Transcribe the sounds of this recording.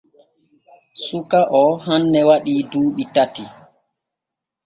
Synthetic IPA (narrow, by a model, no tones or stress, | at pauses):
sukaʔɔɦanːɛwaɗiːduːɓitati